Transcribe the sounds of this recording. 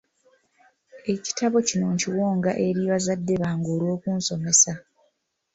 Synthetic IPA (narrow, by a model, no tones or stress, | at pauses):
e̞ci̥taβo̞cino̞ːɲciwoːŋɡaʔe̞ɾiβazadːe̞βaːŋɡo̞ːlwo̞ːkuːnso̞me̞sa